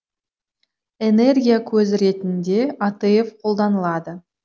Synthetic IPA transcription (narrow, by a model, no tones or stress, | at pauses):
e̞ne̞rɡʲijakʲʰɵzɾe̞t̪ɪnd̪e̞at̪ɨjefqʰo̞lˠd̪ɑnəlˠɑd̪ə